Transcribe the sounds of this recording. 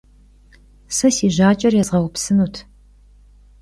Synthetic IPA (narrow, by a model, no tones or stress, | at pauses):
sɐsiːʒaːt͡ʃʼɐrjɛzʁɐwʊpsɨnuːtʰ